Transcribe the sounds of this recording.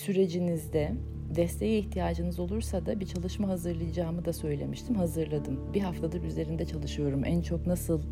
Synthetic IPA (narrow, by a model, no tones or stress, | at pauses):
syɾe̞d͡ʒinizd̪ɛ | d̪ɛst̪ʰe̞jiːçt̪ʰijaːd͡ʒɯnɯzo̞lˠuɾsad̪abit͡ʃʰalˠɯʃmaɦazɯɾlˠɯjɯd͡ʒaːmɯd̪asø̞jlʲe̞̰miʃt̪ʰimhazɯɾlˠad̪ɯmbiɦaft̪ʰad̪ɯɾyze̞ɾind̪ɛt͡ʃʰalˠɯʃɯjo̞ɾumʔænt͡ʃʰo̞knasɯlˠ